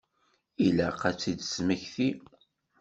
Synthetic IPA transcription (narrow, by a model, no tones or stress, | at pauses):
ilæqæt͡sːid̪sməçθi